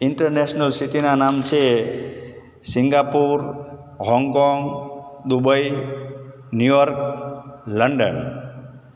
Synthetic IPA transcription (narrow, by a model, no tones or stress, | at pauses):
ɪɳʈəɾnesnəlsit̪inanamt͡ʃʰe | sɪŋɡapuɾ | ɦɔŋɡkɔŋɡd̪ubəj | njujɔɾk̚ | ləɳɖən